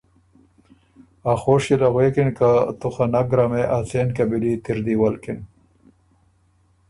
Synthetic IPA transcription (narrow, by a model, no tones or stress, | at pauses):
axoːʂilaɣwekinkat̪uxanaɡɾameʔasenkabilit̪iɾd̪iwalkin